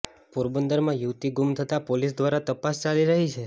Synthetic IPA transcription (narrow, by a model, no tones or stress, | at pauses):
poɾbənd̪əɾmãjuʋt̪iɡumt̪ʰət̪apolis̬d̪ʋaɾat̪əpast͡ʃaliɾəɦit͡ʃʰe